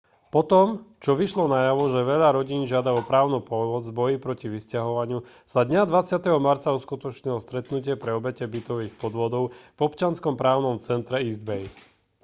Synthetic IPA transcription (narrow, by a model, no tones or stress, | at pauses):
pɔt̪ɔmt͡ʃɔʋiʃlɔnajaʋɔʒɛʋɛʎaɾɔɟiːnʒɪad̪aɔpɾaːʊnupɔmɔd͡zbɔjipɾɔciʋiscaɦɔʋaɲɪu | z̥ad̪ɲad̪ʋat͡sɪat̪ɛɦɔmaɾt͡sauskut̪ɔt͡ʃɲilɔst̪ɾɛt̪nucɪɛpɾɛɔbɛcɛbit̪ɔʋiːxpɔd̪ʋɔd̪ɔʊvɔpt͡ʃɪanskɔmpɾaːʊnɔmt͡sɛnt̪ɾɛizd̪bɛj